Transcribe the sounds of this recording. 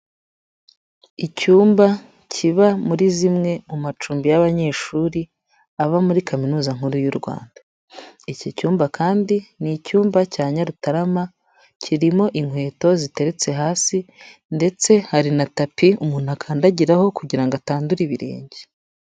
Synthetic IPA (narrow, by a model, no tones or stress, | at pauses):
icuːmba | cʰiβamuɾizimŋe̞mumat͡ʃuːmbijaβaɲe̞ːʃuɾi | aβamuɾikʰaminuːzaŋ̥huɾujuɾɡwa̰ːnda | icocuːmbakʰaːndinicuːmbacaːɲaɾutaɾama | cʰiɾimo̞ʔiŋhwe̞ːto̞zite̞ɾe̞t͡se̞ɦaːsinde̞t͡se̞haɾinatapiumuːn̥hakʰaːndaɟiɾaho̞kuɟiɾaŋɡoataːnduɾiβiɾḛːɲɟe